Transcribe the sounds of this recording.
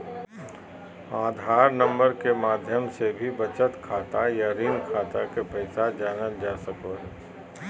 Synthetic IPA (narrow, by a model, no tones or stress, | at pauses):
aːd̪ʱaːɾnə̃mbəɾkemaːd̪ʱjəmsebʱibət͡ʃət̪kʰaːt̪ajaɾiːnkʰaːt̪akepɐɪsad͡ʒaːnəld͡ʒaːsəkoɦɛː